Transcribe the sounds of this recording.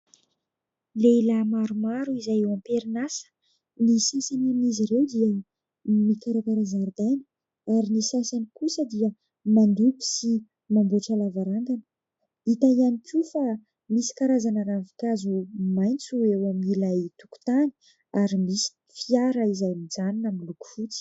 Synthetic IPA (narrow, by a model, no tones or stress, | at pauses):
lelamaɾumaɾuizajewãmpeɾinasə̥ | nisasanamiziɾewd̪iə | mikaɾakaɾazaɾd̪ajnə̥ | aɾinisasanikusəd̪iə | mand̪upi̥si | mamboʈ͡ʂalavaɾaŋɡanə̥ | it̪aianikʰʲufa | misi̥kaɾazanəɾavikazumajnt͡suewaminilajt̪u̥ku̥t̪ani̥ | aɾimisi̥ | fiaɾəizajmid͡zaninamiluku̥fut͡si̥